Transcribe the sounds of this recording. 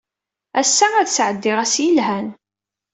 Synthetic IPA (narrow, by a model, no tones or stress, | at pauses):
æsːææðsʕəd̪ːɪʁæsjəlɦæn